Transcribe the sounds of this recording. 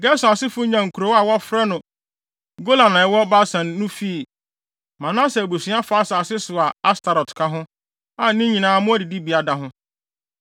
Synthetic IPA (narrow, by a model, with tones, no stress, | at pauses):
ɡɛ˦sʊ˨a˨sɪ˦fʊ˦ɲã˨ŋ̩˨kʰu˨ɾo˨˦wa˨wɔ˦fɾɛ˦nʊ̃˨ | ɡo˦la˨nã˨ɛ˨˦wɔ˦ba˦sã˨nː˦ʊ̃˦fi˦˨ | mã˨nãː˦sɛ˨æ˨bu˨sĩ˦a˦fa˦sa˨sɪ˦sʊ˨a˨a˦stʰa˨ɾɔ˨tkʰa˦ɦʊ̃˦ | a˨˦nɪ̃˦ɲĩ˨nãː˨˦˨mʊ̃˦æ˦dɪ˨di˦bi˨a˨da˨ɦʊ̃˦